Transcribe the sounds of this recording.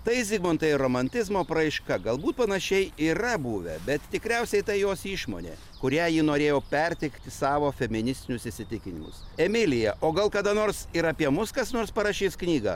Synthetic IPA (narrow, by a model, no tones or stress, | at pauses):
t̪ɐɪzʲɪɡmoːnt̪ɐɪroːmɐnʲt̪ʲɪzmoːpɾɐɪʃkɐɡɐlˠbuːt̪̚pɐnɐʃʲɛɪiːɾɐbuːʋʲɛ̰bʲɛt̪t̪ʲɪkɾʲɛʊsʲɛɪt̪ɐɪjoːsiːʃmo̰ːnʲḛː | kʊɾʲæːjiːnoːɾʲeːjoːpʲɛɾʲt̪ʲɪkt̪ʲɪsɑːʋoːfʲɛmʲɪnʲɪsʲt̪ʲɪnʲʊsɪsʲɪt̪ʲɪkʲɪnʲɪmʊ̰sɛmʲɪlʲɪjɛʔoːɡɐlˠkɐd̪ɐnoːɾsɪɾɐpʲiɛmʊskɐsnoːɾspɐɾɑːʃʲiːsknʲiːɡɑ̰ː